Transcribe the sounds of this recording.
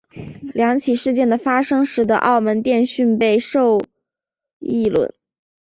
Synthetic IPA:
ljɑ˧˥ŋt͡ɕʰi˨˩ʂɻ̩˥˧t͡ɕjɛ˥˩nd̪ə˩fa˥ʂɤ˥ŋʂɻ̩˧˥d̪ə̰˧ʔɑ̰˥˩ʊmə˧˥nt̪jɛ˥˧nɕy˥˧npe˥˧ɪʂo˥˧ʊ | i˥˩lwə̰˧˥˩n

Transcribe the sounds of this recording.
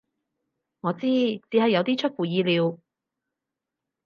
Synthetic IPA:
ŋɔː˨˧t͡siː˥t͡siː˨˥hɐ˨jːɐ˨˧wt̪iː˥t͡ʃʰɵ˥t̚fuː˨˩jiː˨˧liː˨˧w

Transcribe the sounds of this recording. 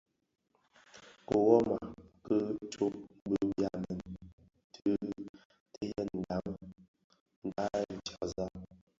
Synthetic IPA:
ko˨wɔ˦ma˨kə˦tʰo˦bə˦bja˦mɛ˨n | tʰə˦ | tə˦jə˦n̩˨da˨mə˦ | n̩˨da˦˨n̩˨t͡ʃa˨za˦

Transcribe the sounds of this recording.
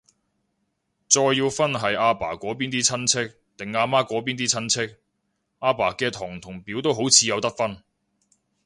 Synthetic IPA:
t͡sɔː˧jːiː˧wfɐ˥nɦɐ˨jaː˧paː˨˩kʷɔː˨˥p̬iː˥nt̪̬iː˥t͡sʰɐ˥nt͡sʰɪ˥k̚ | t̪ɪ˨ŋaː˧maː˥kʷɔː˨˥p̬iː˥nt̪iː˥t͡sʰɐ˥nt͡sʰɪ˥k̚ | ʔaː˧paː˨˩kɛː˧t̪ʰɔː˨˩ŋt̪ʰʊ˨˩ŋpiː˨˥wt̪o˥wɦo˨˥wt͡sʰiː˨˧jɐ˨˧wt̪ɐ˥k̚fɐ˥n

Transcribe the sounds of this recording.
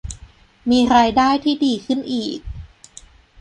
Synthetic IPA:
miː˧ɾaː˧jdaː˥˩jt̪ʰiː˥˩diː˧kʰɯ˥˩nʔiː˨˩k̚

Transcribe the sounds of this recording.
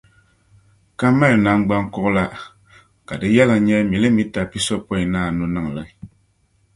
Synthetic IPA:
ka˦ma˦lna˨˦ŋ˦ɡ͡ba˦ŋkʊ˦ʔla˦ | ka˨dɨ˦jɛ˦lɨ˨ŋ˦ɲɛ˦mi˨lɨ˦mi˦ta˨pi˦sɔ˦pɔ˦i˨naː˦˨nu˦nɨ˦ŋ˨lɨ˦

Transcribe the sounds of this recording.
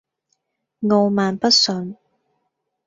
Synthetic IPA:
ŋo˨˧wmaː˨npɐ˥t̚sɵ˨˧n

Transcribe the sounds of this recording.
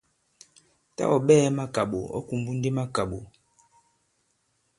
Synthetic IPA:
ta̰˦ɔ˨ɓɛ˦ma˦ka˨ɓo̰˨ɔ̰˦ku˨mbu˦n̩˦de˦ma˦ka˨ɓo˨

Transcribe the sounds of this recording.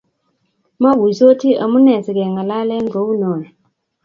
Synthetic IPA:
ma˦ɡu˨so˦tʰi˦ʔa˨mu˦nɛ˨sɛ˨k̬ɛ˨ŋa˨la˦lɛ˦nd͡ɮʱo˨˦u˦nɔ˨n

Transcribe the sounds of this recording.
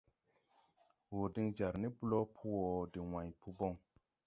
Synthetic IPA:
wo˨di˧ŋd͡ʒa˨ɾni˦bu˦lɔ˦pʰu˦wɔ˨di˨wã˨jpu˧bɔ˦˨ŋ

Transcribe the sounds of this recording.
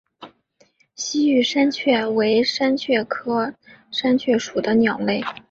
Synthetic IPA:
ɕi˥y˥˩ʂa˥nt͡ɕʰɥɛ˥˩we˧˥ɪʂa˥nt͡ɕʰɥɛ˥˩kʰɤ˥ʂa˥nt͡ɕʰɥɛ˥˩ʂu˨˩d̪ə˦njɑ˨˩ŋle˥˩ɪ

